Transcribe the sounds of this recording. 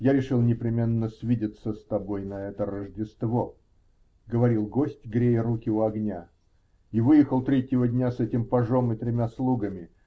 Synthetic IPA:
jaɾʲɪʂɨlˠnʲɪpɾʲɪmʲe̞nːəsʲvʲidʲɪt̪səst̪ɐbo̞jnɐɛt̪əɾəʐdʲɪst̪vo | ɡəvɐɾʲilˠɡo̞sʲtʲɡɾʲejɪɾukʲɪʊɐɡnʲa | ivɨjɪxəlˠt̪ɾʲetʲːjɪvədʲnʲasɛtʲɪmpɐʐo̞mɨt̪ɾʲɪmʲaslˠuɡəmʲɪ

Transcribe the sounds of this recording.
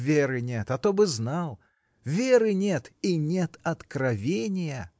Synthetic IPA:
vʲeɾɨnʲet̪ɐt̪obɨznalˠ | vʲeɾɨnʲet̪inʲet̪ɐt̪kɾɐvʲenʲɪjə

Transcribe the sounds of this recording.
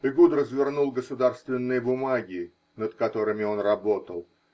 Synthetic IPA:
ɨɡud̪rəzvʲɪrnulˠɡəsʊd̪arst̪vʲɪnːɨjəbʊmaɡʲɪ | nət̪kɐt̪o̞ɾɨmʲɪo̞nrɐbo̞t̪əlˠ

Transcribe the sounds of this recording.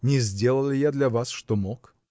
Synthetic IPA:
nʲɪzʲdʲe̞lˠəlˠɪjad̪lʲɐvasʂt̪omok

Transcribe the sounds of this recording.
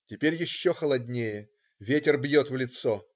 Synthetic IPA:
tʲɪpʲeɾʲjɪɕːoxəlˠɐdʲnʲejə | vʲetʲɪrbjot̪vlʲɪt̪so

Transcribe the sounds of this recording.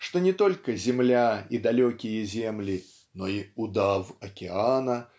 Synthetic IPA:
ʂt̪ɔnʲɛt̪ɔlʲkɐzʲɛmlʲaid̪alʲɔkʲijɐzʲɛmlʲi | nɔiud̪awɐkʲɛanɐ

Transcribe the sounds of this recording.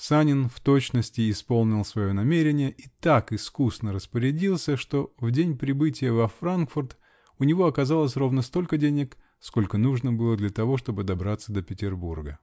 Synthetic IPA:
sanʲɪnft̪o̞t͡ɕnəsʲtʲɪːspo̞lˠnʲɪlˠsvɐjo̞nɐmʲeɾʲɪnʲɪjəʔit̪akɨskusnəɾəspəɾʲɪdʲilˠsʲəʂt̪o̞vdʲenʲpɾʲɪbɨtʲɪjəvɐfɾankfʊrt̪ | ʊnʲɪvo̞ɐkɐzalˠəsʲro̞vnəst̪o̞lʲkədʲenʲɪk | sko̞lʲkənuʐnəbɨlˠəd̪lʲɐt̪ɐvo̞ʂt̪o̞bɨd̪ɐbɾat̪səd̪əpʲɪtʲɪrburɡə

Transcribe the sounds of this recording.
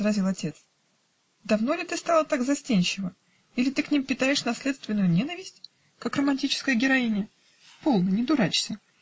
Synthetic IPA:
zɾɐzʲilˠɐtʲe̞t̪s | d̪ɐvno̞lʲɪt̪ɨst̪ɑlˠət̪aɡzɐsʲtʲenʲt͡ɕɪvə | ilʲɪt̪ɨknʲimpʲɪt̪aɪʂnɐsʲlʲet̪st̪vʲɪnːʊjʊnʲe̞nəvʲɪsʲtʲ | kakrəmɐnʲtʲit͡ɕɪ̥skəjəɡʲɪɾɐinʲɪə | po̞lˠnənʲɪd̪ʊɾat͡ɕsʲə

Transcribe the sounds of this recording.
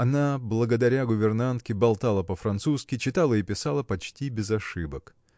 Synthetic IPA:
ɐnablˠəɡəd̪ɐɾʲaɡʊvʲɪrnant̪kʲɪbɐlˠt̪alˠəpəfɾɐnt̪suskʲɪt͡ɕɪt̪alˠəipʲɪsalˠəpɐt͡ɕtʲibʲɪzɐʂɨbək

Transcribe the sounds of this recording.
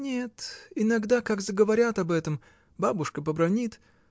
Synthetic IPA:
nʲet̪ɪnɐɡd̪akaɡzəɡəvɐɾʲat̪ɐbɛt̪əm | babʊʂkəpəbɾɐnʲit̪

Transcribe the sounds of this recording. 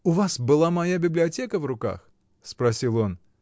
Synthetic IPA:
uvasbɨlˠamajabʲɪblʲɪatʲɛkəvɾʊka̰x | spɾasʲilˠɔn

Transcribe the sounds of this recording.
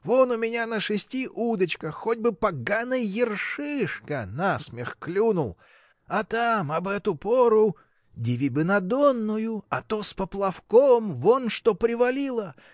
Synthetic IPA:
vonʊmʲɪnʲanəʂɨsʲtʲiʔud̪ət͡ɕkəxodʲbɨpɐɡanɨjjɪrʂɨʂkənasmʲɪxklʲunʊlˠ | ɐt̪amɐbɛt̪ʊpoɾʊ | dʲɪvʲibɨnɐd̪onːʊjʊɐt̪ospəplˠɐfkomvonʂt̪opɾʲɪvɐlʲilˠə

